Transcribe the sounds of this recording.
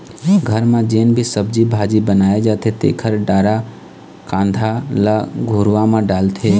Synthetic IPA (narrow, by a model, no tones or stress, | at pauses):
ɡʱəɾmãd͡ʒeːnbʱisəb̚d͡ʒibʱaːd͡ʒibənaːjed͡ʒaːt̪ʰet̪ḛːkʰəɾɖaːɾa | kãːnd̪ʱalaɡʱoːɾʋãmãɖaːlt̪ʰeː